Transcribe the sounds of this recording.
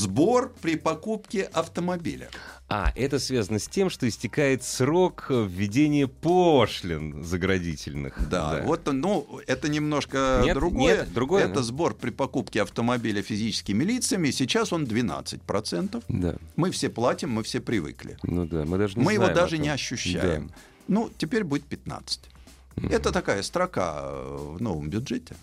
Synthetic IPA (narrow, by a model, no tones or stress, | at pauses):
zbo̞rpɾʲɪpɐkupkʲɪʔɐft̪əmɐbʲḭlʲə̰a̰ʔɛt̪əsvʲazənəsʲtʲe̞mʂt̪oɪsʲtʲɪkajɪt̪sɾo̞kvʲːɪdʲenʲɪjəpoʂlʲɪnzəɡɾɐdʲitʲɪlʲnɨ̰xd̪a̰a̰vo̞t̪ːənuɛt̪ənʲɪmno̞ʂkəd̪ɾʊɡo̞jəd̪ɾʊɡojɛt̪əzbo̞rpɾʲɪpɐkupkʲɪɐft̪əmɐbʲilʲɪfʲɪzʲit͡ɕɪ̥skʲɪmʲɪlʲit̪sɨjəmʲɪsʲɪt͡ɕaso̞nd̪vʲɪna̰t̪sɨt̚ʲpɾɐt̪sɛnt̪əfd̪a̰mɨfsʲeplˠatʲɪmːɨfsʲepɾʲɪvɨ̰klʲɪ̰nud̪amɨd̪aʐɨnʲmɨjɪo̞d̪aʐɨnʲɪɐɕːʊɕːæ̰jɪ̰m | nutʲɪpʲeɾʲbudʲɪt̪̚pʲɪt̪na̰t̪sɨ̥tʲ | ɛt̪ət̪ɐkajəst̪ɾɐka̰vno̞vəmbʲʊdʐɛtʲɪ